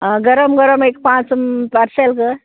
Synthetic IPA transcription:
ɡɐɾəmɡɐɾəmek̚pãːt͡smpɐɾselkɨ

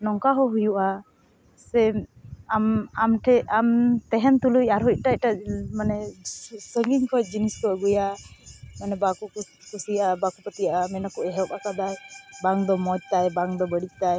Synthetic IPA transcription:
nɔŋkaɦɔɦujuʔa | sɛamamʈʰɛamt̪ɛɦɛnt̪ulujaɾuc̚ˀʈac̚ˀʈamanɛsəŋɡiŋkʰɔd͡ʒiniskɔəɡuja | manɛbaku | kusijaʔabakupət̪ijaʔamɛnakɔʔɛɦɛkakad̪ajbaŋd̪ɔmɔd͡ʒ̚ˀt̪ajbaŋd̪ɔbəɽic̚ˀt̪aj

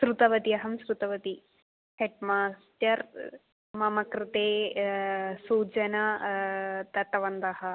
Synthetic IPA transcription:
sɾut̪ɐʋɐt̪iɐɦɐmsɾut̪ɐʋɐt̪i | heʈmaːsʈɐɾ | mɐmɐkɾɪt̪eː | suːd͡ʒɐnɐ | t̪ɐt̪ɐʋɐnd̪ɐhɐ

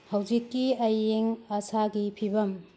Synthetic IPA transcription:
hɐwd͡ʒikːiɐjeŋɐsaɡipʰibɐm

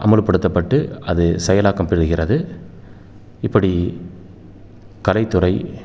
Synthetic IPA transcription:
ʔɐ̰mɐɻɯpːɐɽɯt̪ːɐpːɐʈːɯɐðɯsɛjɐlaːkɐmpɛɾɯɣɪrɐðɯ | ɪpːɐɽi | kɐlɐɪt̪ːɯrɐɪ

